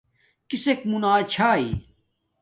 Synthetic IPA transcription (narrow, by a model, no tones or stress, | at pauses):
kisek̚munaːt͡ɕʰaːḭ